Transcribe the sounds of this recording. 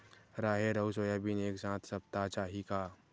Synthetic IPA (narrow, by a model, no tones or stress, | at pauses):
ɾaːɦeɾɐusoːjabʱineːksãːt̪ʰsɐp̚t̪at͡ʃaːɦikaː